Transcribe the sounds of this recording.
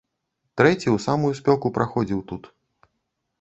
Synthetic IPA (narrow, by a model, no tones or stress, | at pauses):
t̪ɾɛt͡sʲiuwsamujusʲpʲɔwkupɾʔaxɔd͡zʲiwt̪ut̪